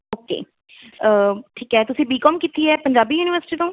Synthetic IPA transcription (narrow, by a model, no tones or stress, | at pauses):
oːkḛː | əʈʰiːkɦɛːt̪ʊsĩːbiːkɔːmkit̪iːɛːpəɲd͡ʒaːbiːjuːnɪʋəɾsɪ̥ʈiːt̪õː